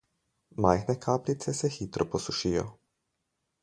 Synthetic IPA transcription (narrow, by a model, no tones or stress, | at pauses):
majxnɛkʰaːplit̪sɛsɛxiːt̪ɾɔpɔsuʃijɔ̰